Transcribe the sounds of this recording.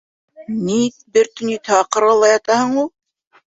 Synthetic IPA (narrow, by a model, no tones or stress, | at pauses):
nit̪bɘɾt̪ɵ̆nit̪hɑqɤ̆ɾɑlˠɑjɑt̪ɑhɤɴulˠ